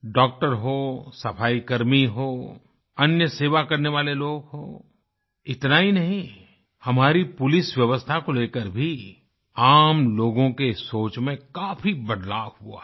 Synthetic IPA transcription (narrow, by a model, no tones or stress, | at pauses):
ɖɔːk̚ʈəɾɦosɐpʰaːikɐɾmiɦoː | ɐnjəseːʋakɐɾneʋaːleloːɡɦoː | ɪt̪naɦinɐɦĩ | hɐmaːɾipʊlɪswjɐʋəst̪ʰakoleːkəɾbʱi | aːmloːɡõkesoːt͡ʃmẽkaːfibɐd̪laːʋɦua̰ː